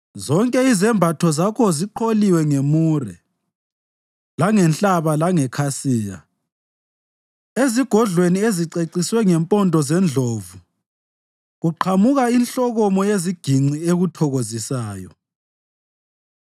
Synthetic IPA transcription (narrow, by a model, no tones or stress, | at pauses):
zɔŋkʼɛizɛmbʱatʰɔzakʰɔziǃʰoliwɛŋemurɛ̰ | laŋɛnɬʼaβalaŋɛkʰasiːja̰ | eziɡ̥ʱɔɮwenieziǀeǀiswɛŋɛmpʼɔndʼʱɔzɛnd͡ɮʱoːvu | ɣuǃʰamuɣainɬɔɣɔmɔjeziɡ̥ʱiŋ͡ǀieɣutʰɔɣozisaːjɔ̰